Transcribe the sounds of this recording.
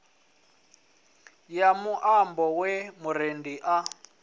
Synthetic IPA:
jamuʔambɔwɛmuɾendiʔa

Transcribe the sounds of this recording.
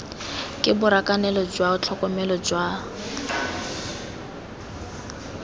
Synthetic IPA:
kʼɪbʊɾakʼanɛlɔd͡ʒwaʊt͡ɬʰɔkʼɔmɛlɔd͡ʒwa

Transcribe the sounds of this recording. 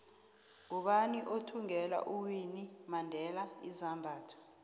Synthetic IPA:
ŋuɓaniʔotʰuŋɛla̰ʔuwinimandʱɛlaizambʱaːtʰɔ̥

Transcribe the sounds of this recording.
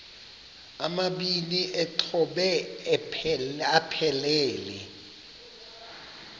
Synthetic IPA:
amaɓiniʔɛǃʰɔɓɛ | ɛapʰɛlɛːlɛ̰

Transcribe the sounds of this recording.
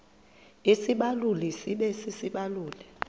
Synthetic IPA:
isiɓalulɛsiɓɛsisiɓaluːlɛ

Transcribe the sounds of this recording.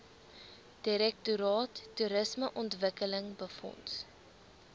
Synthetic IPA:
d̥iɾɛk̚tuɾɑːtːuɾəsməʔɔntvəkələŋbəfɔ̰nt

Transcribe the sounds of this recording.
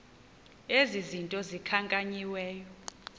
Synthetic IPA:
ezizintʼɔzikʰaŋkʼaɲiwɛːjɔ

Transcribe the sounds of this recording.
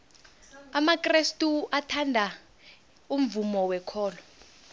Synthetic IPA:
amakristʼuatʰandʱa | um̩vumɔwɛkʰɔːlɔ

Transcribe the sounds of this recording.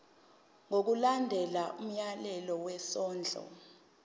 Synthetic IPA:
ŋok̬ulandʱɛlaum̩jalɛlɔwɛsɔːnd͡ɮʱɔ̰

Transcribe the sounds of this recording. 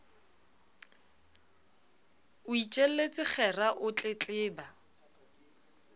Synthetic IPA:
ʊit͡ʃʼel̩let͡sʼɪk͡xʰɛraʔʊt͡ɬʼet͡ɬʼɪːba

